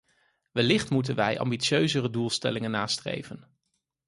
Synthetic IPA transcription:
ʋɛlɪχtmutənʋɛjʔɑ̰mbisjøɥzərədulˠstɛ̰lɪŋənːaːstrḛjvən

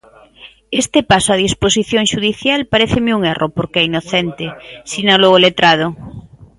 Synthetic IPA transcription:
est̪epasoað̞isposiθjoŋʃuðiθjalpaɾeθemeuŋerʔopoɾkeɛinoθent̪esinaloɣolet̪ɾað̞o

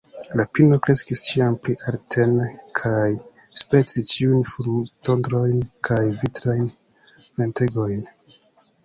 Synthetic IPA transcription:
lapino̞kɾe̞skist͡ʃiampɾiʔaɾtʰe̞nkʰaj | spe̞t͡sit͡ʃiujnfuɾuto̞ndɾo̞jnkʰajvitɾajn | ve̞nteɡo̞jn

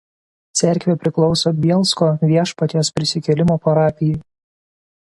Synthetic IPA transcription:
t̪sʲɛɾʲˑkʋʲepʲɾʲɪklˠɒʊsoːbʲiɛlˠskoːʋʲiɛʃpɐt̪ʲijoːspʲɾʲɪsʲɪkʲɛlʲɪmoːpɐɾɑːpʲɪjʊj

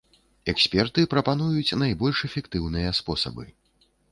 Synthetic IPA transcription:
ɛksʲpʲɛrt̪ɨpɾɐpan̪ujut͡sʲnajbɔlʲʂɛfʲɛkt̪ɨwnɨjɐspɔsɐ̰bɨ̰

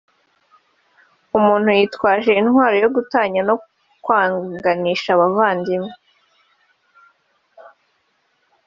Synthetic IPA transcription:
umuːnhujiːtwaːʒe̞inhwaːɾo̞jo̞ɡutaːɲano̞ | kwaːŋɡaniːʃaβavaːndime

